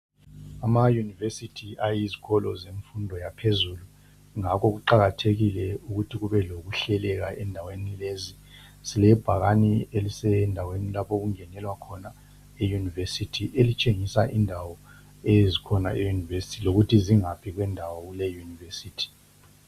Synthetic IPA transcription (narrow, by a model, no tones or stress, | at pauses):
amajunivesitʰiajiziɣɔlɔzeɱfundʱɔjapʰezulu | ŋakɔɣuǃaɣatʰeɣilɛuɣutʰiɣuβɛloɣuɬɛlɛɣaʔɛndʱawenilezi | silɛb̥ʱaɣanielisɛndʱawenilapʰoɣuŋɛnɛlwakʰɔna | ejunivesitʰiʔelit͡ʃʼeŋisaʔindʱawɔ | ezikʰɔna̰ʔejunivesi̥tʰiloɣutʰiziŋapʰiɣwɛndʱawɔɣulɛjunivesiːtʰi̥